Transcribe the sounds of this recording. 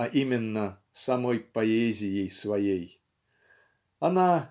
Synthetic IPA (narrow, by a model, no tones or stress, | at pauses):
ɐʔimʲɪnːə | sɐmojpɐezʲɪjejsvɐjej | ɐna